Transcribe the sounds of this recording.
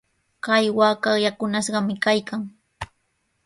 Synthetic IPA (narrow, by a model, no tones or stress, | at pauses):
kajwaːkajakʊnaʃɢɑmɪkajkaŋ